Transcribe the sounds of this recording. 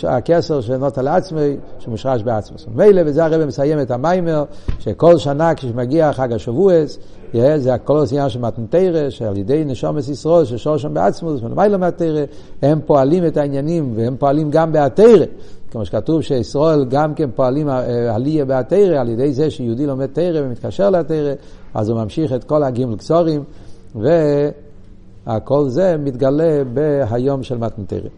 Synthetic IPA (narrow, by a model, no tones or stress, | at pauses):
a̰kɛsɛʁʃ̬enɔtaleat͡smoɪʃemuʃʁaʃbɪat͡smṵsmemeɪlevɪzeaʁɛbeməsajɛmɛtamaɪmeʁʃekolˠʃanakiʃmaɡiaːχaɡaʃovues | jezeakolsinjanʃ̬elmatn̩teɪʁeʃea̰ljedeɪnɛʃɔmesisʁɔelˠʃeʃɔlʃ̬ɔnbea̰t͡smusmɪlə̰maɪlˠəmɪateɪʁe | hɛmpoalimɛtainjanimveɛmpoalimɡambeateɪʁekemoʃe̥katuvʃeisʁoelɡamkɛnpoalimaaliebeateɪʁealjedejzeʃejudilomɛd̚teɪʁevemit̪kaʃɛʁlɛateɪʁea̰zumamʃiχɛtkolhaɡimelkt͡soʁim | ve | akolzemit̪ɡalebeɦajomʃɛlmatn̩tḛjʁḛ